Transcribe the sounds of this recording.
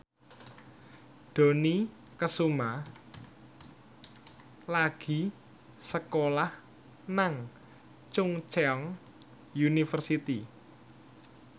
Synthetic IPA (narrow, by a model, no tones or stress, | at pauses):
ɖ̪̥o̤ni | kəsuma | laɡ̥i̤ | səkolah | naŋ | t͡ʃʊŋt͡ʃeɔŋ | junifərsit̪i